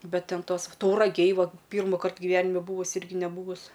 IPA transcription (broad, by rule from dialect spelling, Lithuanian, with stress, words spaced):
ˈbʲɛt ˈtʲɛn ˈtoːs tɐʊrɐˈɡʲeːj ˈʋuɔ ˈpʲiːrmʊkɐrt ɡʲɪˈʋʲæːnʲɪmʲɛ ˈbuːʋʊsʲ ˈɪrʲɡʲɪ nʲɛˈbuːʋʊs